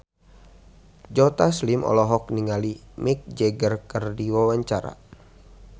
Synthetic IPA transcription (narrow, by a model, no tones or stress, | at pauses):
d͡ʒɔt̪aslimɔ̰lɔɦɔk̚niŋalimik̚d͡ʒɛɡərkərdiwawaɲt͡ʃaɾa̰